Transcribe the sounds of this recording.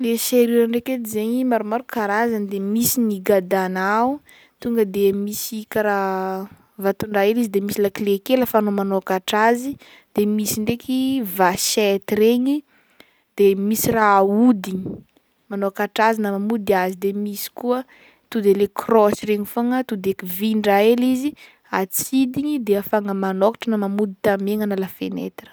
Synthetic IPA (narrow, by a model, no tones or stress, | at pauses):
leseɾiɾaɳɖ͡ʐeket̪izeɲimaɾumaɾukaɾazand̪emisiniɡad̪anau | t̪uŋɡəd̪emisikaɾa | vat̪uɳɖ͡ʐailizid̪emisilakilekeləfaːnomanoakaʈ͡ʂazi | d̪̥emisiɳɖ͡ʐekʲivasɛt̪iɾeɲi | d̪̥emisiraud̪iɲi̥ | manoakaʈ͡ʂazinamamud̪iazid̪emisi̥kuə | t̪ud̪elekʰrɔsireɲifaŋət̪ud̪ekiviɳɖ͡ʐaelizi | at͡sid̪iɲid̪eafaŋəmanokḁʈ͡ʂənamamud̪it̪ameŋanalafenḛt̪rə̥